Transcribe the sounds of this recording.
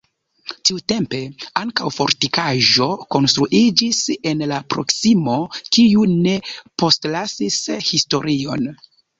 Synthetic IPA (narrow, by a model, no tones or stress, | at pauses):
tiute̞mpe̞aŋkawfo̞ɾtikaʒo̞ko̞nstɾuʔid͡ʒise̞nlapɾo̞ksimo̞kiune̞po̞stlasishisto̞ɾio̞n